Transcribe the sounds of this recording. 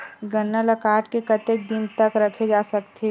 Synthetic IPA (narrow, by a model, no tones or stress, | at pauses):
ɡɐnːalɐkaːʈkekɐt̪eːk̚d̪ɪnt̪ɐkɾɐkʰed͡ʒaːsɐkt̪e